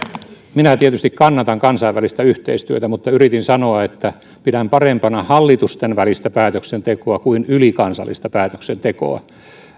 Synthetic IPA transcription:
minæt̪iet̪yst̪ikkɑnːɑt̪ɑŋkɑnsɑiʋælist̪æyht̪ḛist̪yøt̪æmut̪ːɑyrit̪insɑnoɑet̪ːæ | pidæmpɑrempɑnɑhɑlːit̪ust̪enʋælist̪æpæːt̪øksent̪ekoɑkuinylikɑnsɑ̰lːist̪ɑpæːt̪ø̥ksent̪eko̰ɑ̰

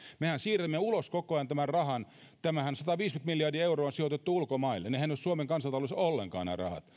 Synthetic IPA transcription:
mehænsiːræmːeuloskokoɑjɑnt̪æmærrɑhɑn | t̪æmæhænsɑt̪ɑʋiːskyt̪milːjɑrdiɑeuroːonsiot̪et̪ːuulkomɑilːḛnehænːossuomeŋkɑnsɑlt̪ɑloisolːḛŋkɑ̰ːnæ̰rɑ̰hɑ̰t̪

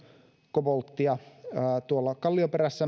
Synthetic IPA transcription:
kopolt̪ːiɑːt̪uolːɑkɑlːiopeɾæsːæ

